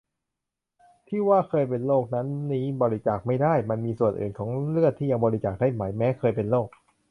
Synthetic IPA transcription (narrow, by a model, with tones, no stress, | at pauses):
t̪ʰiː˥˩waː˥˩kʰɤː˧jp̬e˧nloː˥˩k̚na˦˥nːiː˦˥bɔː˧ɾi˦˥t͡ɕaː˨˩k̚ma˥˩jdaː˥˩jma˧nmiː˧su˨˩ənʔɯ̰ː˨˩nkʰɔː˩˦ŋɾɯ˥˩ət̪ʰːiː˥˩ja˧ŋbɔː˧ɾi˦˥t͡ɕaː˨˩k̚daː˥˩jma˩˦jmɛː˦˥kʰɤː˧jpe˧nloː˥˩k̚